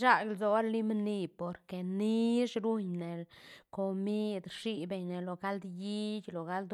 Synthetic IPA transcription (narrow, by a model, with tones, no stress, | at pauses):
ʃa˦ɡlzo˧˦ɾli˦m˦ni˧po˨ɾke˨ni˦ʂɾu˦ɲne˨lko˨mi˦d̪ʂi˧be˨˧ɲne˨lo˨ɡa˦ld̪ji˦d͡ʒʲlo˨ɡa˦ld̪